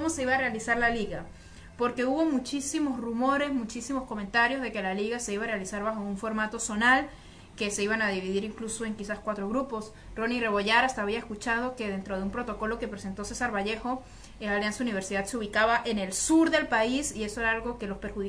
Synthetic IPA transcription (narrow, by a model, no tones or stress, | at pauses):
omo̞se̞iβaːre̞alisaɾlaliɣa | po̞ɾke̞uβo̞mut͡ʃisimo̞srumo̞ɾe̞zmut͡ʃisimo̞sko̞mẽnt̪aɾjo̞zðe̞ke̞laliɣase̞iβaːrealisaɾβaxouɱfo̞ɾmat̪o̞so̞nal | ke̞se̞iβanaðiβiðiɾiŋkluso̞e̞ŋkisaskwat̪ɾo̞ɣɾupo̞s | ro̞nire̞βo̞ʝaɾast̪aːβiae̞skut͡ʃað̞o̞ke̞ðe̞nt̪ɾo̞ð̞e̞umpɾo̞t̪o̞ko̞lo̞ke̞pɾe̞se̞nt̪o̞se̞saɾβaʝe̞xo̞ | elaljansauniβe̞ɾsiðad̪seuβ̞ikaβaʔe̞ne̞lsuɾðe̞lpaisie̞so̞e̞ɾaalɣo̞ke̞lo̞speɾxuði